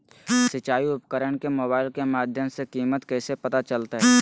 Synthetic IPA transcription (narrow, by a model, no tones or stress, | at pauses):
sɪt͡ʃaːiʊpkəɾəɽkemoːbaːɪlkemaːd̪ʱjəmsekiːmət̪kɛːsepɐt̪at͡ʃəlt̪aɦɛː